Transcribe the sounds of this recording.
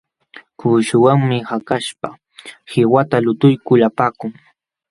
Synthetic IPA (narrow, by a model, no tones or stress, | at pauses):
kuːʃʊwaŋmɪhakaʃpa | hɪwat̪alʊt̪ʊjkʊlapaːkʊŋ